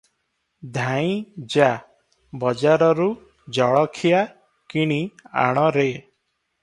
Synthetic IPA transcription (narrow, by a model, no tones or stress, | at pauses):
d̪ʱaj̃d͡ʒa | bɔd͡ʒaɾɔɾu | d͡ʒɔɭɔkʰija | kiɽ̃ia̰ɽ̃ɔɾe